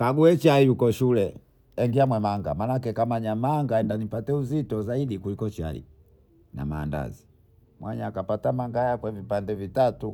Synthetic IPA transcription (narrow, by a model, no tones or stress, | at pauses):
kaɡuɛt͡ʃaijukɔʃulɛ | ɛŋɡiamwɛmaŋɡa̰manakɛkamaɲamaŋɡaɛndanipatɛuzitɔzaiɗikulikɔt͡ʃa̰ḭ | na̰ma̰ːnda̰zi | mwʔaɲakapatamaŋɡajakwɛvipandɛvitatu